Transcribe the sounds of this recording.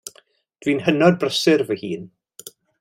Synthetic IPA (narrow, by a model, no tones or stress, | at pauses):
d̥wiːnhənɔd̚brəsɪrvəhiːn